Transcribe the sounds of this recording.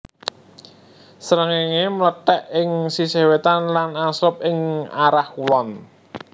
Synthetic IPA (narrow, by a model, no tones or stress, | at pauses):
səɾəŋeŋemələt̪ɛʔɪŋsisewet̪anlanasʊp̚ɪŋaɾahkulɔn